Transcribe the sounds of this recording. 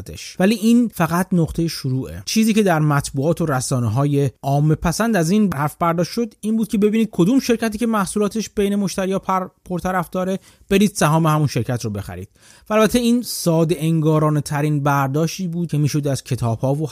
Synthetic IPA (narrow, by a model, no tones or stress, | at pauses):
t̪ʰḛʃvæliːʔiːnfæɣæt̪noqt̪ʰe̞jeʃoɾuːʔḛt͡ʃʰiːziːce̞d̪æɾmæt̪ʰbuːɒːt̪ʰo̞ɾæsɒːneɦɒːje̞ɒːmːepʰæsænd̪æziːnbæɾæfbæɾd̪ɒːʃʃo̞d̪iːnbuːd̪̚cʰe̞be̞biːniːd̪̚kʰo̞d̪uːmʃe̞ɾcʰæt̪iːcemæhsuːlɒːt̪ʰe̞ʃb̥e̞jne̞mo̞ʃt̪æɾiːɒːpʰo̞ɾt̪ʰæɾæfd̪ɒːɾe̞ | b̥e̞ɾiːd̪̥sæɦɒːmehæmunʃe̞ɾcʰæt̪robe̞xæ̰ɾḭːd̪̥̚ | væːlbæt̪ʰeiːnsɒːd̪eʔeŋɡɒːɾɒːne̞t̪ʰæɾiːnbæɾd̪ɒːʃt̪iːbuːd̪̚cʰe̞miːʃo̞d̪æz̥cʰe̞t̪ʰɒːb̥hɒːvo